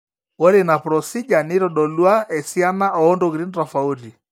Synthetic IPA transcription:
wɔ˦ɾi˨na˨pɾɔ˨si˦d͡ʒa˨ni˦ɾɔ˨ɗɔ˨lwa˦ɛ˨si˦a˦na˦ʔɔ˨ɔ˦ndɔ˨ɣɾi˦nɾa˨fa˨u˦ɾi˨

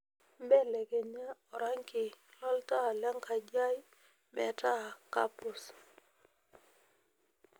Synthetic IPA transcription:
mbɛ˦˨lɛ˨ke˨na˦ɔ˨ɾa˦ŋkɪ˨lɔ˦lta˦˨lja˦ŋka˨d͡ʒa˦j | mɛ̰˨ta˦˨ka̰˦pʊ˨s

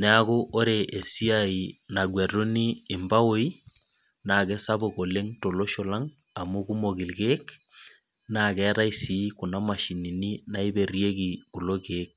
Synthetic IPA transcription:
nɛ˨˦a˦ko˦ʔo˦ɾeʔe˨si˦a˨i˨na˨ɡwɛ˨ɾo˦niː˦˨mba˦wo˦i˦ | na˨kɛ˦sa˦bo˨ko˨le˦ŋto˨lo˦ʃɔ˨la˦ŋ | a˨mu˦ku˦mo˨ɡi˨lkeː˦k | na˨kɛ˦ɾa˦i˦si˨˦ku˨na˦ma˨ʃi˨ni˨ni˦na˦i˦be˨rje˦ki˨ku˨lo˦keː˦k̚

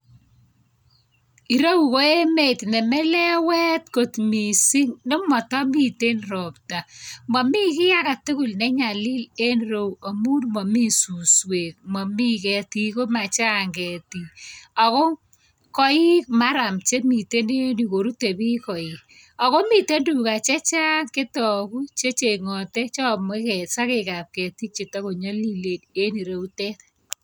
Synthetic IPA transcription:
i˨ɾo˦wu˨ko˦e˦me˦tnɛ˨mɛ˦lɛ˦wɛ˦tko˨tmi˨si˦ŋnɪ˦mɔ˨tɔ˦mi˦te˦nrɔ˨p̚ta˨mɔ˨mi˦kɪ˦ja˦ka˨tu˦ku˨lnɛ˦ɲa˨lɪ˦le˦nro˦wa˨mu˦nmɔ˨mi˦su˨swe˨t̚mɔ˨mi˦kɛ˨ti˦ko˦ma˨t͡ʃa˦ŋɡɛ˨ti˨a˨kɔ˦ | kɔ˦i˦k̚ma˦ɾa˨mt͡ʃe˦mi˨te˦ne˦ni˨ko˨ɾu˦te˨bi˦kɔ˨i | ɔ˨ko˦mi˨te˦ndu˨ka˨t͡ʃɛ˦t͡ʃa˦nke˦tɔ˨ku˦t͡ʃe˦t͡ʃe˨ŋɔ˨tɛ˦t͡ʃɔ˦˨mwe˦kɛ˨sa˦ke˨ka˨p̚kɛ˨ti˦k̚t͡ʃe˨ta˦ko˨ɲo˦li˦le˨de˦ni˨ɾo˦u˦tɛ˦t

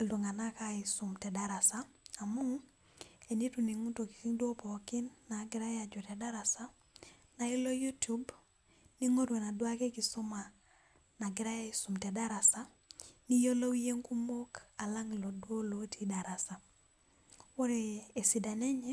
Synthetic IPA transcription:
ldu˨ŋa˨na˦ka˦isu˨mte˨da˨ɾa˨sa˦a˨mu˦ | e˨ni˦tu˨ni˨ŋu˦to˨ki̥˨si˦ŋdwo˦poki˦nːa˨ɡi˦ɾa˦ja˨d͡ʒo˨ɾa˨da˦ɾa˨sa˦ | na˨i˦lo˦ju˦tu˦b | ni˦ŋo˦ɾwe˨na˨dwa˦ke˦ki˨so˦ma˨ | na˨ɡi˨ɾa˦ja˦i˦su˨mte˨da˦ɾa˨sa˦ | ni˦jo˦lo˦wi˦je˦ŋku˦mo˦ka˨la˦ŋlo˨dwo˦lo˦tʰi˦da˨ɾa˨sa˨ | wo˦ɾeː˨si˨da˨ne˦ɲɛ˦

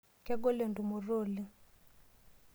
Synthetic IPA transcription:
kɛ˦ɡo˦le˨ndu˨mu˨roː˦˨li˦

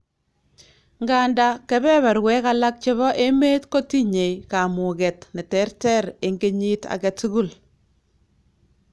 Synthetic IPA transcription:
ŋɡa˦nda˦kɛ˦βɛ˦βa˨ɾwɛ˦ka˦la˦k̚t͡ʃe˦βɔ˦ʔe˦me˦tko˦ti˦ɲe˨jka˨mʊ˨ɡɛ˨tnɪ˨tɛ˨˦rtɛ˦ɾɪ˨ŋɡe˦ɲi˦ta̰˨kɛ˨tu˦ɡu˦l

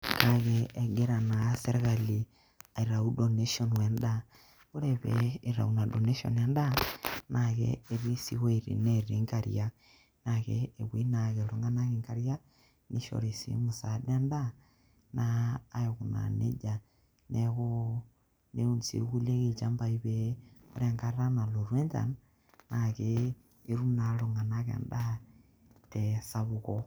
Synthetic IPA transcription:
ka˨ɣee˨ɡe˦ɾa˨na˨se˦ɾe˦ɣa˨li˨ | a˨i˨ɾa˨u˦do˨ne˦ʃɔ˦nwe˨nda | o˦ɾe˨βɛ˨i˨ɾa̰˨una˨do˨ne˦ʃo̰nja˦nda˦naɣɛ̰ː˨ɾi˦sḭ˦we˦ɾḭ˨neɾi˨˦ŋka˨ɾḭa | naɣeː˨wi˦na˨ɣe˨ɾo˨ŋɡa˦na˦ɣe˨ŋka˦ɾja˦ | ni˦ʃo̰˨ɾi˨sḭ˨mu˨sa˨da˦nda˦ | naː˦e˨ɣu˨na̰˨nḛ˦d͡ʒa˨ | ne˦ɣo˦ | ne˦u˦nt͡sḭ˨ɣu˦le˦ɣe˨t͡ʃa˦mba˦i˦βe˦o˦ɾa˨ŋɡa˦ɾa˦na˨lo˨ɾwe˦nta̰˨n | na˨ɣe˨ | e˦ɾu˦na˨ɾo˨ŋɡa˨na˦ɣḛ˨nda˦ | te˨sa˦βu˦ɣo

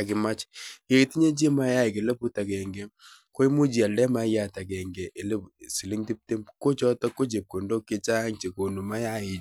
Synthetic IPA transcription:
a˨kɪ˨ma˦t͡ʃe˨ɾi˨ti˦ɲe˦d͡ʒi˦ma˦ja˦ɪ˨ke˨le˦pu˦ta˨kɛ˨ŋɡe˦ko˦i˦mu˦d͡ʒi˨a˨ldɛ˦ma˦ja˦ta˨kɛ˨ŋɡɛ˨ʔe˨le˦si˨li˦ŋti˦p̚te˦mko˦t͡ʃɔ˦tɔ˦ko˦d͡ʒe˨p̚ko˨ndo˦kːɪ˦t͡ʃa˦ŋt͡ʃe˨ko˨nu˨ma˦ja˦ɪ˨

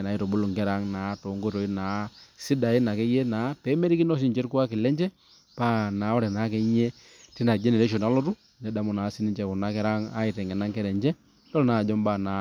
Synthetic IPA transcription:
na˨˦i˨tɔ˨bo˦lo˨ŋkɛ˦ɾa˦ŋnaː˨˦tɔ˨ŋɡo˦ɾɔ˨i˦naː˨˦si˦da˨i˦na˨kɛ˦jɛ˦naː˨˦pɛ˨˦mɛ˦ɾi˦ki˦nɔ˦s̬i˦ɲd͡ʒɛ˦ɾku˦a˦kɪ˨lɛ˦ɲd͡ʒɛ˦ | pa˦na˨˦ɔ˦ɾɛ˨na˨˦kɛ˦ɲe˦ | ti˦na˨d͡ʒɛ˦nɛ˨ɾɛ˦ʃ̬o˨na˦lɔ˦tu˦ | nɛ˨da˨mɔ˨na˨˦si˦ni˦ɲd͡ʒɛ˨kɔ˨na˦kɛ˦ɾa˦ŋa˦ɪ˨tɛ˨ŋɡɛ˨na˦ŋkɛ˦ɾɛ˨ɲd͡ʒɛ˦ | tɔ˦lna˦˨d͡ʒɔ˦mbaː˦˨na˨˦

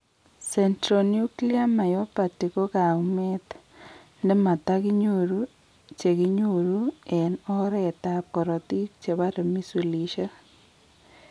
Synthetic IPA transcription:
sɛ˨ntɾo˨nju˦kli˦a˦ma˨jɔ˦pa˨ti˨ko˦ka˨mɛ˦t̪ | ndɛ˦ma˨t̪a˦kɪ˦ɲu˨ɾu˦ | t͡ʃe˨ki˦ɲu˦ɾu˦ɛ˨nɔ˦ɾɛ˦˨t̪ap̚kɔ˨ɾɔ˨t̪i˦k̚t͡ʃe˨ba˦ɾe˨mi˦su˨li˨ʃa˦

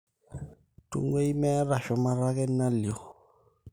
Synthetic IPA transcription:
tṵ˦ŋɡwe˦i˦mɛ˦a˦ɾa˨ʃɔ˨ma˦ɾa˦kɛ˦na˦ljo˨

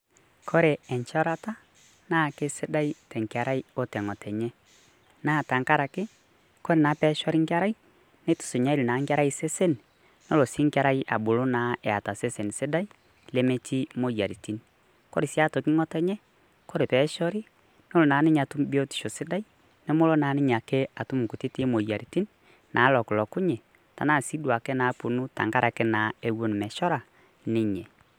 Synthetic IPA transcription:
kʰo˦ɾe˨ɛ˨ɲt͡ʃɔ˦ɾa˦ta˦ | naː˦˨ke˦sɪ˦da˦i˦tɛ˨ŋka˨ɾa˦i˦o˦tɛ˨ŋɔ˨tʰɛ˨ɲɛ˦ | naː˦˨ta˨ŋka˦ɾa˨kɪ˦ | ko˦ɾe˨na˨˦pɛ˨˦ʃɔ˦ɾi˦ŋka˦ɾa˦i˦ | ne˦tʊ̥˨se˨ɲa˦li˨na˨˦ŋʲ˦a˦ɾa˦ise˦se˦n | no˦lo˨si˦ŋka˦ɾa˦iʔa̰˨bʊ˨lo˦na˨˦ɛ˨a̰˨ta˨se˦se˨n˨sɪ˦da˦i˦ | le˦me˦ti˦mo˦ja˨ɾi˨ti˦n | ko̰˦ɾi˨sja˦to˨ki˦ŋɔ˦tɛ˦ɲɛ˦ | ko˦ɾe˨pɛ˨˦ʃɔ˦ɾi˦ | n˦o˦lo˨naː˨˦ni˦ɲ˨a˨tu˦mbi˦o˦ti̥˨ʃo˨si˦da˦i˦ | ne˦mo˦lo˦na˨˦ni˦ɲ˨a˨ke˦a˨tu˦mu˨ku˨ti˦ti˦mo˨ja˨ɾi˨ti˦n | nʔa˨˦lɔ˨ku˨lɔ˨ku˦ɲɛ˨ | ta̰˨na˦˨si˦dwa˨kɛ˦na˨˦pu˨nu˦ta̰˨ŋɡa˦ɾʔa˨kɛ˦na˨e˦wo˨ni˨mɛ˨ʃɔ˦ɾa˨ | ni˦ɲɛ˨

